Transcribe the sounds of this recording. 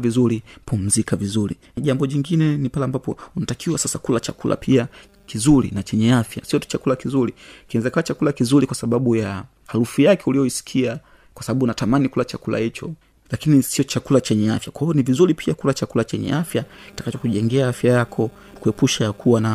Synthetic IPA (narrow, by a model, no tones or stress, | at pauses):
vizuɾipum̩zikavizuɾḭ | ʄambɔʄiŋɡinɛnipalɛambapɔunatakʰiwasasakulat͡ʃakulʔa̰pʰia | kizuɾḭnat͡ʃɛɲɛafja̰siɔt͡ʃakulakizuɾikinɛzakawat͡ʃakulakizuɾikwasaɓaɓuja | halufijakɛulijɔisi̥kʰia | kwasaɓaɓuːnatamanikulat͡ʃakula̰hit͡ʃɔ̰ | lakinisiɔt͡ʃakulat͡ʃɛɲɛafjakwahiɔnivizuɾipʰiakulat͡ʃakulat͡ʃɛɲɛ̰afjakitḁkat͡ʃɔkuʄɛŋɡɛaafjajakʰɔ | kuɛpuʃaakuwana